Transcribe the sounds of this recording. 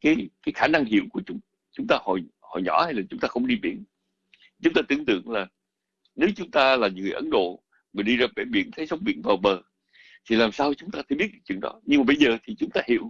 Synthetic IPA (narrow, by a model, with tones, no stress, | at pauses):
kaː˨˦jkaː˨˦jxaː˧˩na˧ŋhḭ˧˨əwku˧˩ət͡ɕʊ˨˦ŋ͡m | t͡ɕʊ˨˦ŋ͡mt̪aː˧hɔ̰˧˨˩j | hɔ̰˧˨jɲɔ̰˧˩˥ha˧jlaː˨˩t͡ɕʊ˨˦ŋ͡mt̪aː˧xə˧wŋ͡mɗi˧ɓi˧˩ən | t͡ɕʊ˨˦ŋ͡mt̪aː˧t̪ɨ˧əŋt̪ɨ̰˧˨əŋlaː˨˩ | ne˨˦wt͡ɕʊ˨˦ŋ͡mt̪aː˧laː˨˩˨ŋɨ˨˩əjʔə˨˦nɗo̰˧˨ | ma˨˩ɗi˧zaː˧ɓɛ˧˩ɓḭ˧˩ənt̪ʰə˨˦jzə˨˦wŋ͡mɓi˧˩ənvaː˨˩wɓəː˨˩ | t̪ʰi˨˩laː˨˩msaː˧wt͡ɕʊ˨˦ŋ͡mt̪aː˧t̪ʰə˧˦ɓi˦˥ət̚ka˧˩t͡ɕɨ̰˨˧˨əŋɗɔ̰˨˦ɲɨ˧ŋmaː˨ɓə˧jzəː˨˩t̪ʰi˨˩t͡ɕʊ˨˦ŋ͡mt̪aː˧hḭ˧˨əw